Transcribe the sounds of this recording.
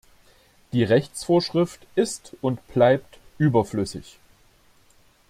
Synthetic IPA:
d̥iːʁɛçt͡sfoːɐʃʁ̥ɪftʔɪstʊntb̥laɪp̚tʔyːbɐflʏsɪ̰ç

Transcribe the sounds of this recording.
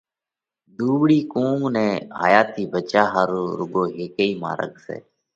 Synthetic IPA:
d̪uːʋɽiːkuːmnẽːɦa̰ːjaːt̪iːbət͡ʃaːɦaːɾoːɾʊɠoːɦeːkəiːmã̰ːɾə̰ɠsḛː

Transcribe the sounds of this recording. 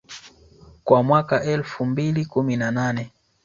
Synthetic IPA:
kwamwakaʔɛlfumbilikuminananɛ

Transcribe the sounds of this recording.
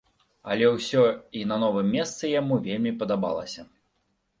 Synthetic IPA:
ɐlʲɛwsʲɔinɐnɔvɨmʲːɛst̪sɨjamuvʲelʲmʲipɐd̪aba̰lˠɐ̰sʲɐ

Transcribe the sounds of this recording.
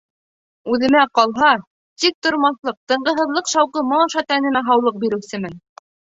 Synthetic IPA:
ʉðɘ̆mæqɑlˠɦɑ | t̪ik̚t̪ŏɾmɑslˠɤq̚t̪ɤ̆ɴɢɤ̆ɦɤ̆ðlˠɤqʃɑwqɤmɑɑʃɑt̪ænɘ̆næɦɑwlˠɤq̚biɾɘ̆wsɘmɘn

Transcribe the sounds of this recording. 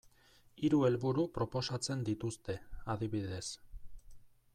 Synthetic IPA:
iɾue̞lβuɾupɾo̞po̞sat͡se̞nd̪it̪ust̪e̞aðiβiðe̞s

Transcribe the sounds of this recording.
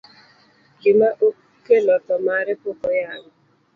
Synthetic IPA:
ɡɪmaʔo | kelɔtɔmaɾɛpokɔjaŋɔ

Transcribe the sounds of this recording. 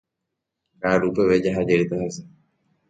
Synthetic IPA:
kaɾupeʋed͡ʒaɦad͡ʒeɾit̪aɦajsa

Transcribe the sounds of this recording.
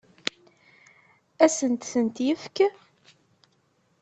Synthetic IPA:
æsənt̪θənt̪jəfk

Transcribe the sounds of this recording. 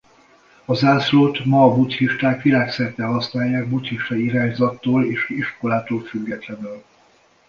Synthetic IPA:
ɒzaːsloːt̪mɒːbut̪hiʃt̪aːkʋilaːksɛrt̪ɛlɦɒsnaːjːaːɡ̚but̪hiʃt̪ɒiɾaːɲzɒt̪ːoːleːʃiʃko̞laːt̪oːlfyɡːɛt̪lɛnøːl

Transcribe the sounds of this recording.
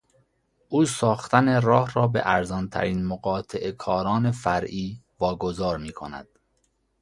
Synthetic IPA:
ʔuːsɒːxt̪æne̞ɾɒːhɾɒːbḛʔæɾzɒːnt̪ʰæ̰ɾiːnmoɣɒːt̪ʰeʔekʰɒːɾɒːne̞fæɾʔiː | vɒːɡozɒːɾmiːkʰo̞̰næ̰d̪̥

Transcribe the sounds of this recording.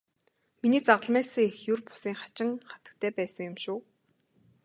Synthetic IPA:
miniːt͡saʁə̆ɮmæːsə̆ŋexjʊrpʊ̥siːŋχḁt͡ɕɪ̆ŋχḁt̪ə̥̆k̚t̪ʰæːpæːsə̆ŋjʊ̆mʃʊː

